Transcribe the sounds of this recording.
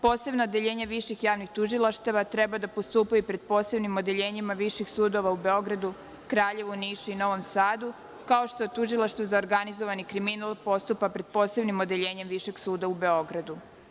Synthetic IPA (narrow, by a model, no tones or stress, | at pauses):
po̞ːse̞bnood̪eʎe̞ːɲaʋiʃixjaːʋnixt̪uʒilˠaʃt̪eʋat̪ɾe̞bad̪apost̪uːpajupɾe̞d̪̚po̞ːse̞bnimod̪e̞ʎe̞ːɲimaʋiʃixsuːd̪o̞ʋaube̞o̞ɡɾad̪u | kɾaːʎe̞ʋuniːʃuino̞ʋo̞msaːd̪u | kao̞ʃt̪o̞t̪uʒilˠaʃt̪ʋuzaoɾɡanizoʋanikɾiminalˠpo̞st̪upapɾe̞d̪̥̚po̞ːse̞bnimo̞d̪e̞ʎe̞ːɲe̞mʋiʃe̞ɡsuːd̪aube̞o̞ɡɾad̪u